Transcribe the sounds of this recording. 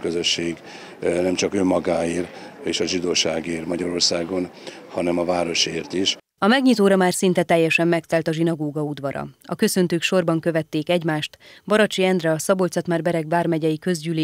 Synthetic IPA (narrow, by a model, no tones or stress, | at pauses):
køzø̞ʃːeːɡ | nɛmt͡ʃɒkømːɒɡaːiːreːʃɒʒid̪oːʃaːɡiːɾmɒɟɒɾo̞rsaːɡo̞nhɒnɛmɒvaːɾo̞ʃeːrt̪iʃ | ɒmɛɡɲit̪oːɾɒmaːrsint̪ɛt̪ɛjːɛʃɛmːɛkt̪ɛlt̪ɒʒinɒɡoːɡɒud̪ʋɒɾɒ̰ɒkø̞sø̞nt̪øːkʃo̞rbɒŋkø̞vɛt̪ːeːkɛɟmaːʃt̪bɒɾɒt͡ʃiɛnd̪rɛɒsɒbolt̪sɒt̪maːrbɛɾɛɡvaːrmɛɟɛjikø̞zɟyleː